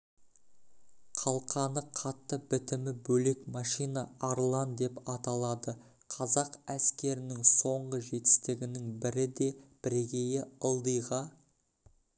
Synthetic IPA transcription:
qʰɑlˠqʰɑnəqʰɑt̪ːəbɪt̪ɪmɪbɵle̞kmɑʃijnɑɑɾlˠɑnd̪e̞pɑt̪ɑlˠɑd̪ə | qʰɑzɑqæskʲe̞ɾɪnɪŋso̞ɴʁəʒe̞t̪ɪ̥st̪ɪɡʲɪnɪŋbɪɾɪd̪e̞b̥ɪɾeɡʲe̞jɪəlˠd̪əjʁɑ

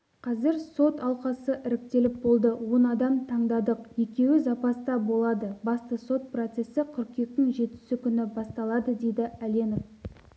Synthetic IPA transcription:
qʰɑzɪɾso̞t̪ɑlˠqɑsəʔɪɾɪk̚t̪e̞lɪp̚bo̞lˠd̪əwo̞nɑd̪ɑmt̪ʰɑɴd̪ɑd̪əqje̞kʲe̞wɪzɑpɑst̪ɑbo̞lˠɑd̪əbɑst̪əso̞t̪̚prot̪se̞sɪqʰʏɾkʲe̞k̚t̪ːɪŋʒe̞t̪ɪ̥sɪkʲʰʏnɪbɑst̪ɑlˠɑd̪əd̪e̞jd̪ɪælʲe̞nof

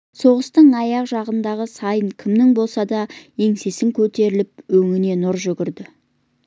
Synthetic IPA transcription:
so̞ʁəst̪əɴɑjɑqʒɑʁənd̪ɑʁəsɑjəŋkʲʰɪmnɪŋbo̞lˠsɑd̪ɑje̞ŋse̞sɪŋkʲʰɵt̪e̞ɾɪlɪp̚ɵŋɪne̞nʊɾʒʏɡʲɪɾd̪ɪ

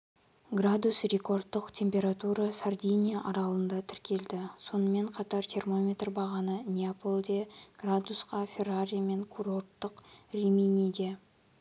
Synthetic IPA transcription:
ɡrad̪usrʲe̞ko̞rd̪ːəqt̪ʲʰe̞mpʲe̞ɾat̪uɾɑsard̪ʲijnʲijaʔɑɾɑlˠənd̪ɑt̪ʰɪɾkʲe̞ld̪ɪso̞nəme̞ɴqʰɑt̪ɑɾt̪ʰʲermo̞mʲet̪rbɑʁɑnənʲeapʰolˠd̪e̞ɡ̥rad̪usqɑfʲe̞raɾʲijme̞ŋkʰuɾo̞rt̪ːəqrʲimenʲid̪e

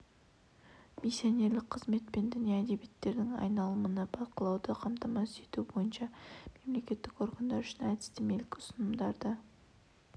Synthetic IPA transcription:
misjone̞ɾlɪk̚qʰəzme̞t̪pe̞nd̪ʏnijɑːd̪e̞biet̪ːe̞ɾd̪ɪŋɑ̰jnɑlˠəmənəbɑqəlˠɑwd̪əqʰɑmt̪ɑmɑʏse̞t̪ubo̞jənʃɑme̞mle̞kʲe̞t̪ːɪko̞rɡɑnd̪ɑɾʏʃɪnæt̪ɪ̥st̪ɪme̞lɪkʲɪʊ̥sənəmd̪ɑɾd̪ə

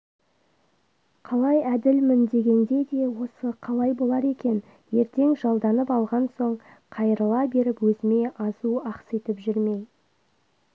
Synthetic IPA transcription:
qʰɑlˠɑjæd̪ɪlmɪnd̪e̞ɡʲe̞nd̪e̞d̪e̞wo̞səqʰɑlˠɑjbo̞lˠɑɾe̞kʲe̞n | je̞ɾt̪e̞ŋʒɑlˠd̪ɑnəpɑlˠʁɑnso̞ɴ | qʰɑjəɾəlˠɑbe̞ɾɪpwɵzɪme̞ʔɑzuɑqset̪ɪpʒʏɾme̞j

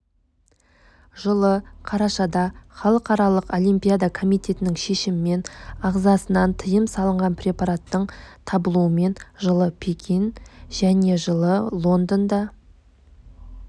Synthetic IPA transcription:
ʒəlˠəqʰɑɾɑʃɑd̪ɑχɑlˠəqɑɾɑlˠəqo̞lijmpʲijad̪ɑkʰo̞mijt̪e̞t̪ɪnɪŋʃe̞ʃɪmɪme̞nɑʁzɑsənɑnt̪ʰəjəmsɑlˠəɴʁɑnpɾʲe̞pɑɾat̪ːəɴt̪ʰɑbəlˠuəme̞nʒəlˠəpʰekʲʰinʒæne̞ʒəlˠəlˠo̞nd̪ənd̪ɑ

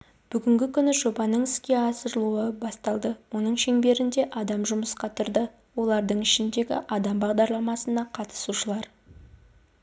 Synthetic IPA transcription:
b̥ʏɡʲɪŋɡʲɪkʲʰʏnɪʒo̞bɑnəɴɪskʲe̞ɑsəɾlˠuəbɑst̪ɑlˠd̪əwo̞nəɴʃe̞ŋbe̞ɾɪnd̪e̞ʔɑd̪ɑmʒʊməsqɑt̪ʰʊɾd̪ə | wo̞lˠɑɾd̪əɴɪʃɪnd̪e̞ɡʲɪ̰ʔɑd̪ɑmbɑʁd̪ɑɾlˠɑmɑsənɑqʰɑt̪ə̥suʃəlˠɑɾ

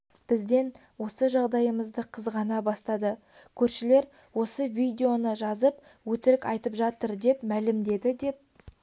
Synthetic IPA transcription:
b̥ɪzd̪e̞n | wo̞səʒɑʁd̪ɑjəməzd̪əqʰəzʁɑnɑbɑst̪ɑd̪ə | kʲʰɵɾʃɪle̞ɾ | wo̞səvʲijd̪ʲe̞o̞nəʒɑzəp | wɵt̪ɪɾɪkɑ̰jt̪əpʒɑt̪əɾd̪e̞pmælɪmd̪e̞d̪ɪd̪e̞p̚

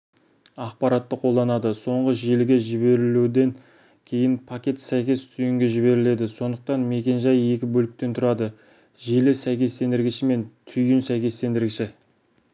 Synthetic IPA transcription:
ɑq̚pɑɾɑt̪ːəqʰo̞lˠd̪ɑnɑd̪əso̞ɴʁəʒelɪɡʲe̞ʒɪbe̞ɾɪlud̪e̞ŋ | kʲʰe̞jɪnpʰakʲe̞t̪sæjkʲe̞st̪ʰʏjɪŋɡʲe̞ʒɪβe̞ɾɪle̞d̪ɪso̞nd̪əq̚t̪ɑnme̞kʲe̞nʒɑje̞kʲɪbɵlɪk̚t̪e̞nt̪ʰʊɾɑd̪ə | ʒelɪsæjkʲe̞st̪e̞nd̪ɪɾɡʲɪʃɪme̞nt̪ʰʏjɪnsæjkʲe̞st̪e̞nd̪ɪɾɡʲɪʃɪ

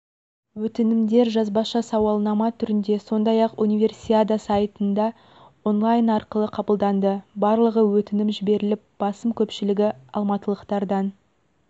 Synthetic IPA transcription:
wɵt̪ɪnɪmd̪e̞ɾʒɑzbɑʃɑsɑwɑlˠnɑmɑt̪ʰʏɾɪnd̪e̞so̞nd̪ɑjɑqunijvʲe̞rsʲiad̪asɑjət̪ənd̪ɑ | o̞nlˠajnɑɾqəlˠəqʰɑbəlˠd̪ɑnd̪əbɑɾlˠəʁəwɵt̪ɪnɪmʒɪbe̞ɾɪlɪp̚b̥ɑsəmkʲʰɵpʃɪlɪɡʲɪɑlˠmɑt̪əlˠəqt̪ɑɾd̪ɑn

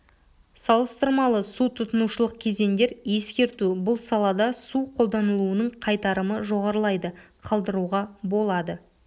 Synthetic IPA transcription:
sɑlˠəst̪əɾmɑlˠəsut̪ʰʊt̪ənuʃəlˠəq̚kʲʰe̞ze̞nd̪e̞ɾje̞skʲe̞ɾt̪ubʊlˠsɑlˠɑd̪ɑsuqʰo̞lˠd̪ɑnəlˠuənəɴqʰɑjt̪ɑɾəməʒo̞ʁɑɾəlˠɑjd̪əqʰɑlˠd̪əɾuʁɑbo̞lˠɑd̪ə

